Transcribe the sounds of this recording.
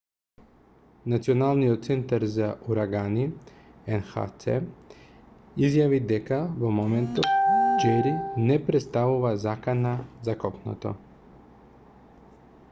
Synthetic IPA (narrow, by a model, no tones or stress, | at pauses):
nat̪sionalˠnijot̪̚t̪sent̪aɾzaʔuɾaɡani | enxa̰t̪sḛ | izjaʋid̪ekaʋomoment̪od͡ʒeɾinepɾet̪st̪aʋuʋazakanazakopno̰t̪o̰